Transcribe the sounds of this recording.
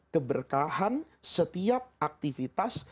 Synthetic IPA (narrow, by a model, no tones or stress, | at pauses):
kəbərkaɦan | sət̪iap̚ak̚t̪ifit̪as